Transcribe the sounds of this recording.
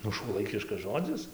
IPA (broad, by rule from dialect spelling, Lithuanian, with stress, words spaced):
ˈnʊ ʃuɔˈlˠɐɪkʲɪʃkɐs ˈʒoːd͡zʲɪs